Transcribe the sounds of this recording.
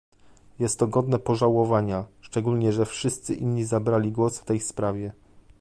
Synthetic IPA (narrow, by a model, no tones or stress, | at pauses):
jɛst̪ːɔɡɔd̪nɛpɔʐawɔvaɲaʂt͡ʂɛɡulɲɛʐɛfʂɘst̪sɘʔinɲizabɾalʲiɡwɔsft̪ɛjspɾavʲjɛ